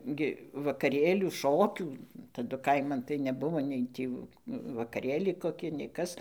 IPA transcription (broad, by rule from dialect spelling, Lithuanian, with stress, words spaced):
ɡʲɪ ʋɐkɐˈrʲeːlʲuː ˈʃoːkʲuː tɐˈdʊ ˈkɐɪmɐn tɐɪ nʲɛˈbʊʋoː ˈnʲɛɪ tʲiː ʋɐkɐˈrʲeːlʲɛɪ koːˈkʲɪ nʲɛɪ ˈkɐs